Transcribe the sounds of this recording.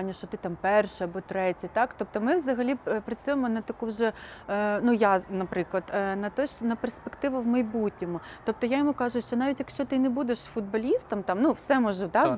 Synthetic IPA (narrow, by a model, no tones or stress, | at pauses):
nʲːɐʃt͡ʃɔt̪ɪt̪ɑmpɛrʃɛɐbɔt̪ɾɛtʲɐt̪ɑkt̪ɔp̚t̪ɔmɪʋzɐɦɐlʲipɾɐt͡sʲujemɔnɐt̪ɐkuwʒɛ | nujanɐpɾɪklˠɐd̪nɐt̪ɔʃnɐperspekt̪ɪʋʊwmɐjbutʲnʲɔmʊt̪ɔp̚t̪ɔjajɔmukɑʒʊʃt͡ʃɔnɑʋʲitʲjɐkʃt͡ʃɔt̪ɪnɛbud̪eʃfʊd̪̚bɐlʲist̪ɐmt̪ɑmnuwsɛmɔʒɛt̪ɑ